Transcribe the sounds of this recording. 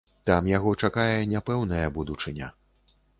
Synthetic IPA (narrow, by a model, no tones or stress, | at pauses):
t̪amjaɣɔt͡ʂakajɛnʲapɛwnɐjɐbud̪ut͡ʂɨnʲɐ